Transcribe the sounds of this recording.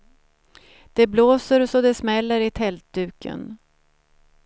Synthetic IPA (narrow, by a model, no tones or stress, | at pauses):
d̪̥ɛbloːsəɾsɔd̪ɛsmɛlːəɾɪt̪ʰɛlt̪̚d̪ʉ̟ːkʰə̰n